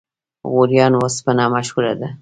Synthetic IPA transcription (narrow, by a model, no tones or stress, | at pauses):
ɣoɾjɑnwaspənɑmaʃhula̰d̪a